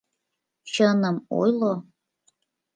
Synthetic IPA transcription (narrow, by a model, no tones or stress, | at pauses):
t͡ɕənə̆mo̰jlo